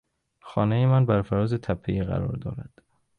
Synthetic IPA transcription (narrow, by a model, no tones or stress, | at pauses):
xɒːnejemænbæɾfæɾɒːzet̪ʰæpʰːeiːɣæ̰ɾɒ̰ːɾd̪ɒ̰ːɾæd̪̥